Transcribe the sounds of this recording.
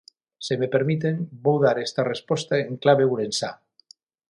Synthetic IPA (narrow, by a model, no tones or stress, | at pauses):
semepeɾmit̪̬embowðaɾest̪arespost̪aeŋklaβ̞euɾensa